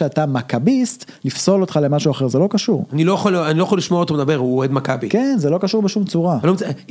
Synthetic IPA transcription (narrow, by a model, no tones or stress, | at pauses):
eatamakabist | lifsolo̞t̪χale̞maʃuaχe̞ʁzelo̞kaʃuʁanilojaχalanilo̞jaχoliʃmoaot̪omed̪abeʁuoed̪makabikenzelo̞kaʃuʁbeʃumt͡suʁalomt͡s